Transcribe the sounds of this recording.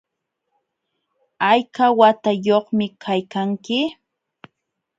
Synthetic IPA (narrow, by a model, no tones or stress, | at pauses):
ajkawat̪ajoχmɪkʰajkaŋkɪ